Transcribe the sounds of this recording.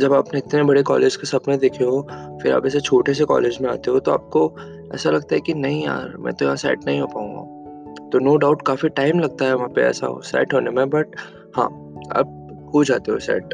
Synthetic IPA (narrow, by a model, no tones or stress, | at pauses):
d͡ʒɐbaːpneɪt̪nebɐɽekɔːleːd͡ʒkesɐpnẽd̪eːkʰeɦofɪɾa̰ːpɛːset͡ʃʰoːʈes̬ekɔ̰ːleːd͡ʒmẽa̰ːt̪eɦõt̪oa̰ːp̚ko | ɛ̰ːsalɐɡ̚t̪aɦɛkinɐɦĩja̰ːɾmɛ̰̃ːt̪ojɐɦãsɛ̰ːʈnɐɦĩɦoːpaːũŋɡa̰ | t̪onoːɖaʊʈkaːfiʈaːɪmlɐɡ̚t̪aɦɛʋɐɦãpḛɛ̰ːsa̰ɦo̰sɛ̰ːʈɦonemẽbɐʈ̚ | hã̰ː | ɐ̰b̚ | ɦod͡ʒaːt̪eɦosɛ̰ːʈ